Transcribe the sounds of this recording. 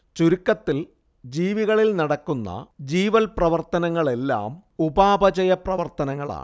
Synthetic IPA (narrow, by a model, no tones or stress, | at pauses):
t͡ɕuɾukːɐt̪ːil | d͡ʑiːʋiɣɐɭilnɐɽɐkːunːɐ̰d͡ʑiːʋɐlprɐʋɐrt̪ɐnɐŋːɐɭe̞lːa̰ːmubaːbɐt͡ɕɐjɐprɐʋɐrt̪ɐnɐŋːɐɭa̰ː